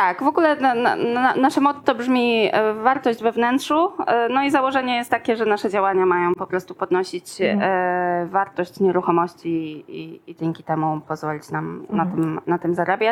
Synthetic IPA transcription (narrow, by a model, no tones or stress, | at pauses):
t̪akvɔɡulɛnn̰a̰naʂɛmɔt̪sɔbʐmʲivaɾt̪ɔʑd͡ʑvɛvnɛntʂunɔizawɔʐɛɲɛjɛst̪t̪ːakʲɛʐɛnaʂɛd͡ʑawaɲamajɔ̃w̃pɔpɾɔst̪upɔd̪nɔɕit͡ɕ | vaɾt̪ɔɕt͡ɕɲɛɾuxɔmɔɕt͡ɕiid͡ʑɛŋkʲi̥t̪ɛmupɔzvɔlʲit͡ɕnamnat̪ɘmnat̪ɘmzaɾabʲja